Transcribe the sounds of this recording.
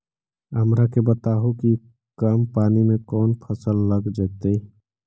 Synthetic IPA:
ɦəmɾakebət̪aːɦoki | kampaːnimẽkɔːnpʰəsəlːəɡd͡ʒaːt̪e

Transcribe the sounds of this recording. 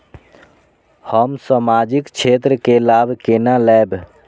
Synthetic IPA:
həmsəmad͡ʒikt͡ʃʰeːt̪ɾəkelaːbkenalɛːb

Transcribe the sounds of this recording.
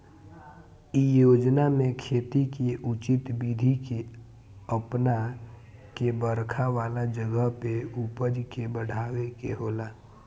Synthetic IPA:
ijoːd͡ʒnamẽkʰeːt̪ikeʔʊt͡ʃɪt̪bid̪ʱike | əpna | kebəɾkʰaʋaːlad͡ʒəɡəɦpeupəd͡ʒkebəɽ̤aːwekeɦoːlaː

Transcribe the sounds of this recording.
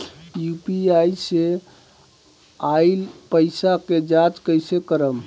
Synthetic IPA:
jupiajse | aɪlpəɪsaked͡ʒat͡ʃkəjsekəɾəm

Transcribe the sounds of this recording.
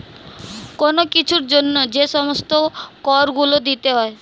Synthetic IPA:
konokit͡ʃʰuɾd͡ʒonːɔd͡ʒesɔmɔst̪okɔɾɡulod̪it̪eɦɔe

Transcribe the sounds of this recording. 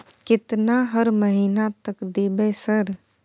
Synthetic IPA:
kɪt̪naɦəɾməɦiːnat̪əkd̪ebɛsəɾ

